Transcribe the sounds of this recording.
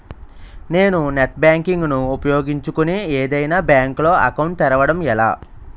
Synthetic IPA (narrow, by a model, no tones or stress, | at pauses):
ne̞ːnuneʈ̚bjaːŋkiŋɡnuːpɐjo̞ːɡiɲt͡ʃukunieːd̪ɐjnaːbjaːŋklo̞ːɐ̰kɐwɳʈt̪ɛɾɐʋɐɽɐmɛla̰ː